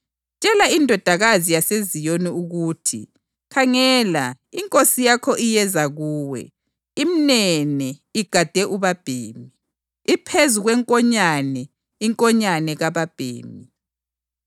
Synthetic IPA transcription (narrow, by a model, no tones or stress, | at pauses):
t͡ʃʼɛlaindʱɔd̥ʱaɣazijasezijoniuɣutʰḭ | kʰaŋɛla | iŋkʼosijakʰɔʔijɛzaɣuːwɛ̰ | iminɛnɛiɡ̥ʱad̥ʱɛʔuβab̥ʱeːmi | ipʰezuɣwɛŋkʼɔɲanɛ | iŋkʼɔɲanɛɣaβab̥ʱḛːmi